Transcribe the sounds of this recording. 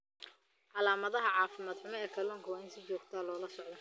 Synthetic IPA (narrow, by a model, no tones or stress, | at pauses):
ʕɑlaːmɐðɐɦɐʕɑːfɪmaːd̪ħʊmɐɛːkʰɐlɔːŋkʰɐwaːɪnsɪt͡ʃɔːɡt̪ʰaːlɔːlɐsɔʕd̪ɔ